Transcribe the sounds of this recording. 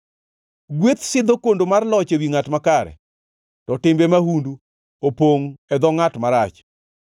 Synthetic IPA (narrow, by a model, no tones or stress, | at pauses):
ɡwet̪sɪd̪okondomarlɔt͡ʃewiŋatmakaɾɛ̰ | tɔtɪmbemahundu | opoŋɛd̪ɔŋatmaɾat͡ʃ